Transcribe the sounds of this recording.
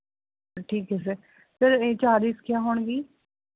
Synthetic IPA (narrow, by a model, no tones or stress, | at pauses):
ʈʰiːkɦɛːs̬eː | səɾeːt͡ʃaːliːskɪjaːɦoːɳ̃ɡiː